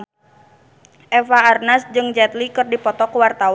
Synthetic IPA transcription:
ʔɛfaːrnasd͡ʒɨŋd͡ʒɛt̪likɨrdipɔt̪ɔkuwart̪aw

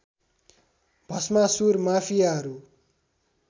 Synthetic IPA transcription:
bʱʌsmasurmapʰijaɦʌɾu

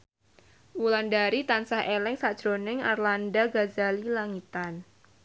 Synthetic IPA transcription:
wulandaɾit̪ansahʔelɛŋsad̥d͡ʒ̥ɾonɪŋarlandaɡazalilaŋit̪an

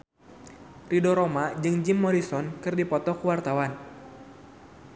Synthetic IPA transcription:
ridɔɾomad͡ʒɨŋd͡ʒimːɔɾisɔnkɨrdipɔt̪ɔkuwart̪awan

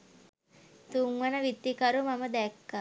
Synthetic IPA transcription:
t̪uŋʋanəʋit̪ːikaɾumaməd̪ɛkːa

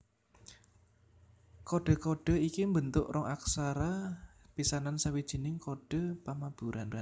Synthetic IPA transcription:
koɖ̥ɔ̤kɔɖ̥ɔ̤ikimbənt̪ʊʔrɔŋʔaksaɾa | b̥isanansawid̥ʒ̥i̤nɪŋkɔɖ̥ɔ̤pamab̥ṳɾʔana

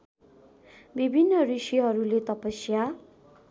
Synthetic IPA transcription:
bibʱinːʌrisiɦʌɾulet̪ʌpʌsja

